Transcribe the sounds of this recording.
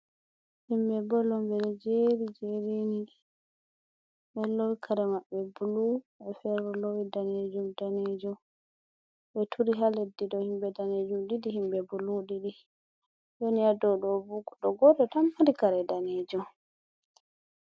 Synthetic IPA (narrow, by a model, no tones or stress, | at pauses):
himbɛbɔlɔmbɛɾɛd͡ʒeɾid͡ʒeɾini | ɓɛlowikʰaɾɛmaɓːɛbulu | ɓɛfɛɾɾɔlowidaned͡ʒumdaned͡ʒɔ | ɓɛtʰuɾiɦaledːidɔhimbɛdaned͡ʒumɗidiɦimbɛbuluɗiɗi | ɗonijadɔɗɔbuɡɗɔɡɔɗɔtamːaɾikaɾɛdaned͡ʒum